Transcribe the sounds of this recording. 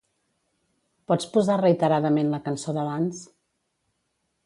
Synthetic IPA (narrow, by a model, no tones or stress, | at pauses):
pɔt͡spuzarəit̪əɾaðəmenləkənsoðəβans